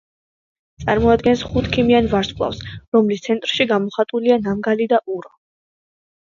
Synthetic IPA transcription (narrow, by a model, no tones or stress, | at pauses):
t̪sʼaɾmɔad̪ɡɛnsχut̪ʰkʰimianvaɾskʼlˠa̰fsɾɔmlist̪sʰɛnt̪ʼɾʃiɡamɔχat̪ʼulianamɡalid̪aʔuɾɔ